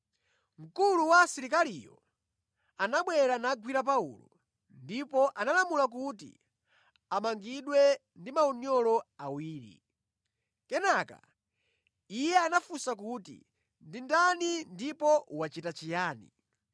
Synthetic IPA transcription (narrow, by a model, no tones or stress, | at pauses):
m̩kuluwasiɾikalijɔ̰ | anaɓwɛɾanaɡwiɾap̬aṵlɔ̰ | ndipɔʔanalamulak̬utḭ | amaŋɡiɗwɛ | ndimaɔɲɔlɔawiːɾḭ | kɛnaka̰ | ijɛanafusakutḭ | ndindanindipɔwat͡ʃitat͡ʃijaːnḭ